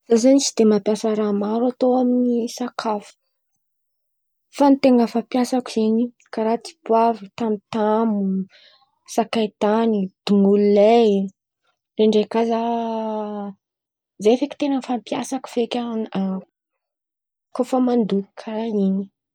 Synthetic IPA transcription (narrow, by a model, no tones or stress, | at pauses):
z̥azanisid̪emapjasaɾamaɾuat̪oaminisakʰafu̥ | fanit̪eŋɡəfapjasaki̥zeɲi | kaɾat͡si̥bwavit̪amit̪amu | sakajt̪anid̪̥uŋulile | ɾeɳɖ͡ʐekaza | zaefaki̥t̪enənfampija̰saku̥v̥ekʲaa | kofəmand̪uikʰaini